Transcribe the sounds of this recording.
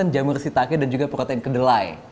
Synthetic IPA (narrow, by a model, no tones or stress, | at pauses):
ənd͡ʒamərsit̪akɪdand͡ʒuɡapəɾot̪ɛɪnkədəlaj